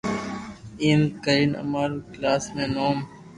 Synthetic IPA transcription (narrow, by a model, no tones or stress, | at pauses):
iːmkəinə̰maːɾklaːsmẽːnoːm